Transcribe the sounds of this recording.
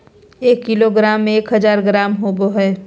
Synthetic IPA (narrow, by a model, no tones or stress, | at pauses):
eːkːiloɡɾaːmːẽeːkɦəzaːɾɡɾaːmɦoːboɦɛː